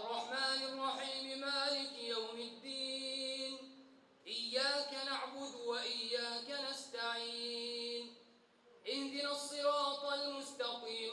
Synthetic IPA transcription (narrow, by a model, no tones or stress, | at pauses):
ʔɑrˤːɑħmaːnɑrˤːɑħiːmɪmaːlɪkjawmad̪ːiːn | ʔɪjːaːkanaʕbʊd̪waʔɪjːaːkanast̪aʕiːn | ʔɪhd̪ɪnasˤːɨɾɑːt̪ˤalmʊst̪ɑqiːm